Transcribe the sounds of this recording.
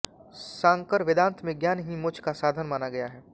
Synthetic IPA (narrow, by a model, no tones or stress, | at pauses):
sãːŋkəɾʋɪd̪ãːnt̪mẽɡjaːnɦimʊd͡ʒʰʱkasaːd̪ʱənmaːnaɡɐjaɦɛː